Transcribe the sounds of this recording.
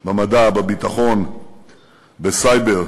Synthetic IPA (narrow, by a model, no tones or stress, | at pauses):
bamad̪abebit̪aχo̞n | besajbeʁ